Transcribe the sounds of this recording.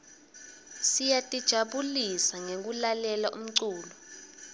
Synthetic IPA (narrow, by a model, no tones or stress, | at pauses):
sijatʼid̥ʒ̥ʱaɓulisaŋek̬ulalɛlaʔṵm̩ǀuːlɔ